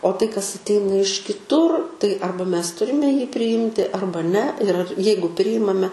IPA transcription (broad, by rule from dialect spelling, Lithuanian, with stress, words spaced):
oː tɐɪ kɐs ɐtʲˈɛɪnɐ ɪʃ kʲɪˈtʊr tɐɪ ˈɐrbɐ ˈmʲɛs ˈtʊrʲɪmʲɛ pʲrʲɪˈjɪmʲtʲɪ ˈɐrbɐ nʲɛ ɪr ɐr ˈjɛɪɡʊ ˈpʲrʲɪjɪmɐmʲɛ